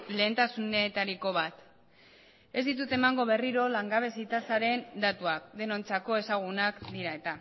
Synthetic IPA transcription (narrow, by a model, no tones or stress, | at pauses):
le̞ːnt̪asunet̪aɾiko̞β̞at̪ | e̞zd̪it̪̬ut̪e̞maŋɡo̞β̞e̞riɾo̞laŋɡaβe̞sit̪asaɾe̞nd̪at̪uak̚d̪e̞no̞nt͡sako̞e̞saɣ̞unakd̪iɾae̞t̪a